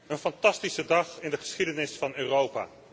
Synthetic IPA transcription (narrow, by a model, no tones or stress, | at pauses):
ənfɑntɑstisədɑχɪndəχə̥sχidənɪsfɑnøːrowpa̰ː